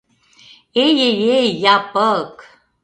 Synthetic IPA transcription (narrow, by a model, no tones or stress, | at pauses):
ejejejapʼəkʼʰ